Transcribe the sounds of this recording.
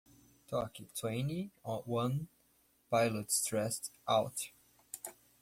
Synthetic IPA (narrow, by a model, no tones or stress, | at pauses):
tʰɔkitʰwẽɪ̃niɔwʌ̃n | paɪlətstɹɛstʔaʊt